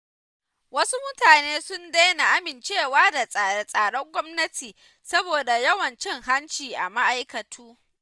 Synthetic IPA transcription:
wɐ˦su˦mʊ˦taː˨neː˦sʊ˦nda˦jna˨ʔa˦mɪ˨nt͡ʃeː˦˨waː˦da˨sʼa˨a˨sʼaː˨ɽɔ˦ŋɡʷɔ˦mnɐ˦tʰiː˨ | sɐ˦boː˨da˨jɐ˦wɐ˨nt͡ʃɪ˦ŋɦa˦nt͡ʃiː˨ʔa̰˨ma˦ʔa˦jkɐ˨tʰuː˦

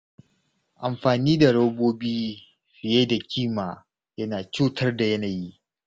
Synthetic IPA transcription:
ʔa˨mɸaː˨niː˦da˨ɽɐ˦boː˦biː˦ | ɸɪ˨je˦da˨kʲʰiː˦˨maː˨ | jɐ˦naː˨t͡ʃuː˦tʰɐ˦rda˨jɐ˦naː˨ji˦ʔ

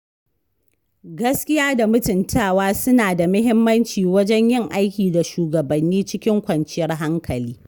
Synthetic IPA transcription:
ɡɐ˦skʲɪ˦jaː˦da˨mʊ˦tɪ˨ntʰaː˦˨waː˦sʊ˦naː˨da˨mʊ˦ɦɪ˦mːɐ˦nt͡ʃiː˨wɐ˦d͡ʒɛ˦ɲjɪ˦˨ŋʔa˦jkʲiː˨da˨ʃuː˨ɡɐ˨bɐ˨nːiː˦t͡ʃɪ˦kʲɪ˦ŋkʷɐ˨nt͡ʃɪ˦jɐ˦rɦa˦ŋkʰɐ˨liː˦

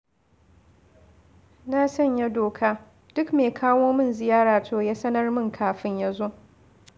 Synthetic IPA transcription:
na˦sɐ˦˨ɲja˦doː˨kʰaː˦ | d̥ʊ˦kmeː˨kʰaː˦woː˦mɪ˦nzɪ˨jaː˦ɾaː˨tʰoː˦ja˦sɐ˦nɐ˦rmɪ˦ŋkʰaː˨ɸɪ˦ɲja˦zo˦

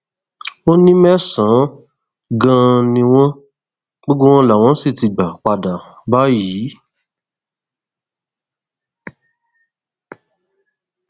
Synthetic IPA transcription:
o˦nĩ˦mɛ̃˦sã˨˦ | ɡã˧nĩ˧w̃ɔ̃˦ | ɡ͡bo˦ɡ͡bo˦w̃ɔ̃˦la˨w̃ɔ̃˦si˦˨ti˧˨ɡ͡ba˨k͡pa˧˨dã˨ | ba˨˦ji˨˦

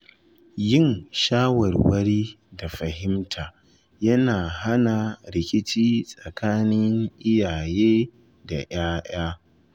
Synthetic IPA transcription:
jɪ˦˨nʃaː˦wɐ˨rwɐ˦ɽiː˦ | da˨ɸɐ˨ɦɪ˦mtʰaː˨ | jɐ˦naː˨ɦa˦na˨ɾɪ˨kʲʼɪ˦t͡ʃiː˦sʼɐ˨kʰaː˦nɪ˦ŋʔɪ˦jaː˨jeː˦ | da˨j̰aː˦j̰aː˦

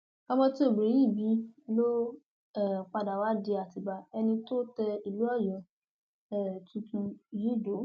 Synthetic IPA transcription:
ka˧mɔ̃˧ti˦o˦˨bɾĩ˨˦ji˦˨bi˨˦lo˦ | ɛ˦˨k͡pa˧da˨wa˨˦di˧a˨ti˨ba˨ɛ˧nĩ˧to˦tɛ˧i˨lu˨˦ɔ˦˨jɔ̃˨˦ | ɛ˦˨tʰũ˧tũ˧ji˦˨do˨˦

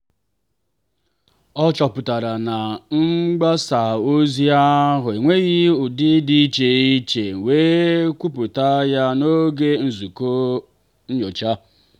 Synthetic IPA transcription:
ɔ˦t͡ʃɔ˨pʊ˨ta˨ɾa˨na˨ŋ͡m̩˦ɡ͡ba˦sa˨o˦zi˦a˦ɦʊ˨e˨ŋʷe˦ɣi˦ʊ˨dɪ˦di˦t͡ʃe˨i˦t͡ʃe˨weː˦kʷu˦pʊ˨ta˦ja˦no˦ɡe˦n̩˨zu˨ko˦ | n̩˦ɲo˨t͡ʃa˦

